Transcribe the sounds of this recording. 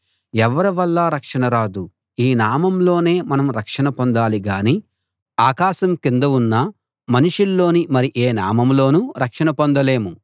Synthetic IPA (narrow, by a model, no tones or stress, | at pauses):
ɛʋɐɾɐʋɐlːaːɾɐkʂɐnɐɾaːd̪u | iːnaːmɐmlo̞ːne̞ːmɐnɐmɾɐkʂɐnɐpond̪aːliɡaːni | aːkaːʃɐmkind̪ɐunːɐ | mɐniʂulːo̞ːnimɐɾiʔeːnaːmɐmlo̞ːnuɾɐkʂɐnɐpond̪ɐle̞ːmu